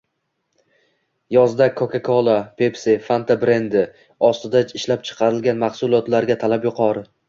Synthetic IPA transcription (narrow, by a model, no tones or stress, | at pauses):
jɒzd̪akʰːokakʰolˠapʰe̞psefant̪ʰabɾe̞nd̪ɪ | ɒst̪ɪd̪at͡ʃɪʃlap̚t͡ʃʰɨ̥qʰɑɾɪlɡʲanmaχsʊlˠɒt̪laɾɡʲat̪ʰalapjʊqʰɒɾɪ